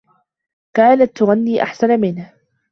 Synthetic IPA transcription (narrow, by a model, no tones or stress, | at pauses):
kaːnat̪ːʊɣanːiːʔa̰ħsanmɪnh